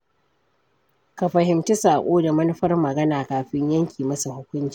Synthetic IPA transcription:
ka˨ɸɐ˨hɪ˨mtu˦saː˨ʔʷʼoː˦da˨mɐ˦nɐ˦ɸɐ˦rmɐ˨ɡɐ˦naː˨kaː˨ɸɪ˦ɲjɐ˦ŋkʲʰiː˨mɐ˦sa˨hʊ˦kʷʊ˦nt͡ʃi˨

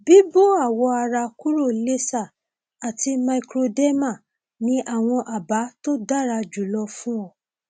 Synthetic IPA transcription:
bi˦bo˦˨a˦˨wɔ˧a˧ɾa˧ku˦ɾo˦˨le˦sa˦˨ | a˨ti˧ma˧i˧kɾo˧de˦ma˦˨ | nĩ˦ʔa˦˨w̃ɔ̃˧ʔa˨ba˨˦to˦da˦˨ɾa˧d͡ʒu˨lɔ˧fũ˦ɔ˦˨

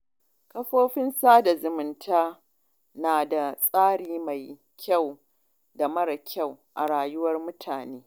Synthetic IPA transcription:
kɐ˦ɸoː˦ɸɪ˦nsaː˦da˨zʊ˨mʊ˨ntʰaː˦ | naː˨da˨sʼaː˦ɽiː˨ma˨j | kʲʰa˦˨w | da˨mɐ˦ɽɐ˨kʲa˦˨wʔa˨ɽaː˨jʊ˦wɐ˦rmʊ˦tʰaː˨neː˦

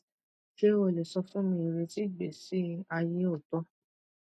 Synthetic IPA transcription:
ʃe˦o˧˨le˨sɔ˧fũ˦mĩ˧i˨ɾe˧ti˦˨ɡ͡be˨si˨˦a˧je˦o˦˨tɔ˦

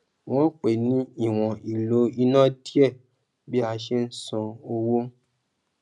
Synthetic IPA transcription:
w̃ɔ̃˦k͡pe˨nĩ˨˦i˦˨w̃ɔ̃˨i˨lo˨˦i˧nã˦di˦ɛ˦˨ | bi˦a˧ʃe˦n̩˦sũ˧o˧wo˦

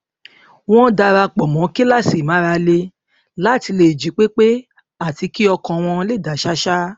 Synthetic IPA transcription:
w̃ɔ̃˦da˧ɾa˧k͡pɔ˨mɔ̃˨˦ki˦la˦˨si˨mã˨˦ɾa˧le˧ | la˦˨ti˧le˧˨d͡ʒi˨˦k͡pe˦k͡pe˦ | a˦˨ti˨˧ki˦ɔ˧kɔ̃˧w̃ɔ̃˧le˦˨da˨˦˨ʃa˦ʃa˦

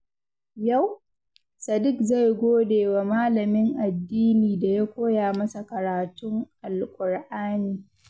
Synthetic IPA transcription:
ja˦˨w | sɐ˨dɪ˦kza˦˨jɡʷoː˦deː˨wa˨maː˦lɐ˨mɪ˦ŋʔa˨dːiː˦niː˨da˨ja˦kʷoː˦jaː˨mɐ˦sa˨kɐ˨ɾaː˨tʊ˦ŋʔa˨lkʷʼʊ˨ɽʔaː˦niː˨

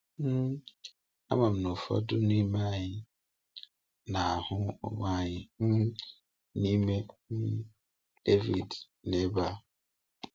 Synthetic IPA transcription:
m̩˦ | a̰˦ma˨m̩˨nʊ˨fɔ̰˦dʊ˦ni˦ma˦ɲɪ˦ | na˨a˨hʊ˦ʊ̰˨ma˦ɲɪ˨m̩˦ | ni˦me˦m̩˦ | d̥e˦vi˨d | ne˦ba˦˨

